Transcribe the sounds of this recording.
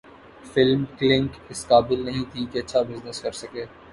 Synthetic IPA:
fɪlmklɪ̃ŋkɪskaːbɪlnɐɦĩt̪ʰikeɐtːʃʰabɪznəskɐɾsɐkeː

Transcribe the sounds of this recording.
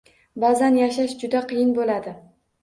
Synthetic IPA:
bazanjaʃaʃd͡ʒʊd̪aqʰɨjɪnbolad̪ɪ

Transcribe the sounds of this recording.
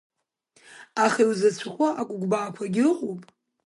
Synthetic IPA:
aχaiwzat͡ɕʷʰaχʷaʔakʷʼʊɡʷbaːkʷʰaɡʲɪqʷʼowpʼ

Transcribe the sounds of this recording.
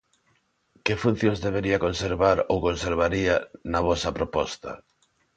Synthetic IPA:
kɪfun̟θjõŋzðeβ̞eɾiɐkonseɾβaɾowkonseɾβ̞aɾianɐβɔsɐpɾopɔst̪ɐ̰

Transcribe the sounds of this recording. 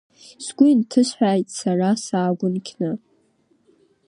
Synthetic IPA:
sɡʷʊintʰɨʃʷħʷᶣaːjtʼsarasaːɡʷʊnkʲʰnɨ

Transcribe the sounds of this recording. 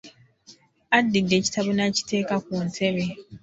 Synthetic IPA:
adːidːe̞ːci̥taβonaci̥te̞ːkak̚untʰe̞βe̞

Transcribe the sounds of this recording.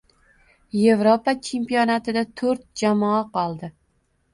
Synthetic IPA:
je̞vɾopat͡ʃʰe̞mpijɒnat̪ʰɪd̪at̪ʰɵɾt̪̚d͡ʒamɒaqɒlˠd̪ɪ

